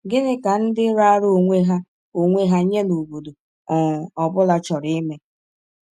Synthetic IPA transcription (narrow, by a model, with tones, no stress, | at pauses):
ɡɪ˦nɪ˦ka˨n̩˦dɪ˦ɾa˦ɾo˦˨ŋʷe˦ɦa˦ | o˨ŋʷe˦ɦa˦ɲe˦no˨bo˨do˨ | ɔ˨ɔ˨bʊ˦la˨t͡ʃɔ˨ɾɪ˦me˦